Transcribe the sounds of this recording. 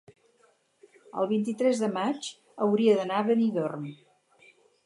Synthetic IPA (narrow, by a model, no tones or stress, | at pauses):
ə̰lˠβint̪it̪ɾɛzðəmat͡ʃ | əwɾiəðənaβəniðorm